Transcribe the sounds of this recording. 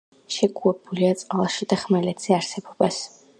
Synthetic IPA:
ʃɛɡuɾbuliat̪sʼqʼalˠaʃid̪aχmɛlɛt̪z̥iaɾsɛbɔbas

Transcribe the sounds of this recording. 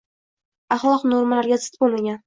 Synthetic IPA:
aχlˠɒqnoɾmalaɾɡʲazɨ̥t̪bolˠmaɡʲan

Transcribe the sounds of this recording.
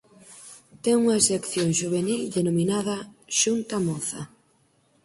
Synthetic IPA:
t̪ɛŋuŋɐesekθjoŋʃuβ̞enild̪enominaðɐʃunt̪ɐmɔθɐ̰

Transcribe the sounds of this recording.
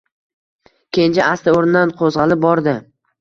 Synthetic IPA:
kʲʰent͡ʃaast̪aoɾɪnɪd̪anqʰozʁɑlɪp̚bɒɾd̪ɪ

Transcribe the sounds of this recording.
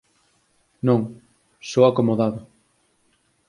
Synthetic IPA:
nõŋ | sowakomoðaðʊ

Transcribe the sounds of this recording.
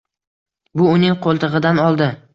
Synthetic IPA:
bʊʊnɪŋqʰolˠt̪ʰɨʁɨd̪anɒlˠd̪ɪ

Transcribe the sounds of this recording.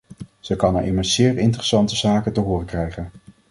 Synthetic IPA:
z̥əkɑnɛ̰ɹʔɪməsz̥ɪːrɪntrəsɑntəz̥aːkəntəɦʊːrəkrɛjχən

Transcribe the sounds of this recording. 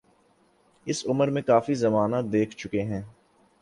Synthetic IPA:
ɪsʊməɾmẽkaːfizɐmaːnad̪eːkʰt͡ʃʊkeɦɛ̃ː

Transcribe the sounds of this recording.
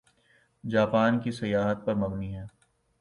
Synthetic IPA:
d͡ʒaːpaːnkisɐjaːɦət̪̚pɐɾmɐɡniɦɛː

